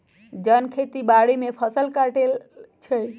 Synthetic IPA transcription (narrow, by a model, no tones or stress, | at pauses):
d͡ʒənkʰet̪ibaɽimepʰəsəlkaʈelt͡ʃʰəj